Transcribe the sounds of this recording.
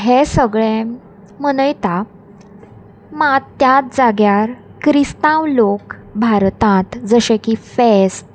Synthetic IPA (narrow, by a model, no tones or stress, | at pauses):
ɦesəɡɭẽ | mənəjt̪a | mat̪jat̪̚d͡zaɡjaɾkɾist̪ãwlokbʱaɾt̪ãt̪d͡zəɕẽkifest̪